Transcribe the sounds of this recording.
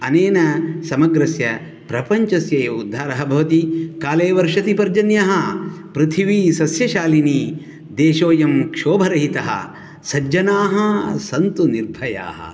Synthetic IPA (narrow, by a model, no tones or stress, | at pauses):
ɐneːnɐsɐmɐɡɾɐsjɐ | pɾɐpɐɲt͡ʃɐsjɐjɐud̪ʱːaːɾɐɦɐbʱɐʋɐt̪ikaːleːʋɐɾʂɐt̪ipɐɾd͡ʒɐnjɐɦɐpɾit̪ʰiʋisɐsjɐʃaːliniː | d̪eːʃoːjɐmkʂoːbʱɐɾɐɦit̪ɐɦɐ̰ | sɐd͡ʒɐnaːɦɐsɐnt̪uniɾbʱɐja̰ːɦɐ̰